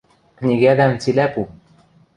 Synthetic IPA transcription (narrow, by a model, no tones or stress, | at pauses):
knʲiɡæðæmt͡silæpu